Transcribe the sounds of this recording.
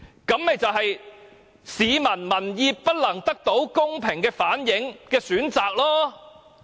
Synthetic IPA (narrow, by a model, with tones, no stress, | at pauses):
kɐ˨˥mmɛ˨˧jt͡sɐ˨wɦɐ˨j | siː˨˧mɐ˨˩nmɐ˨˩njiː˧pːɐ˥t̚lɐ˨˩ŋt̪ɐ˥k̚t̪o˨˥wkʊ˥ŋpʰɪ˨˩ŋkɛː˧faː˨˥njɪ˨˥ŋkɛː˧syː˨˥nt͡saː˨k̚lɔː˥